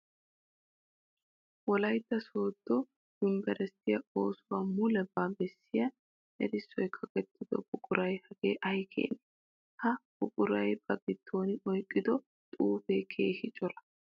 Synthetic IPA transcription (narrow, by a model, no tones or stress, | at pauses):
wɔlɐjt̪ːɐso̞ːd̪ːɔ | d̪ʊmbɛɾɛst̪ːɪjɐo̞ːsʊwaːmʊlɛbaːbɛsːɪjɐ | ʔɛ̰ɾɪsːɔjkʰɐkɛt̪ʰːɪd̪ɔ̰bʊkʼʊɾɐjhɐɡeːʔɐjkʰḛːnɛ | hɐbʊkʼʊɾɐjbɐbɪt̪ʰːo̞ːnɪʔɔjkʼːɪd̪ɔ | t̪ʼuːfeːkʰeːhɪt͡ʃʼɔlɐ̥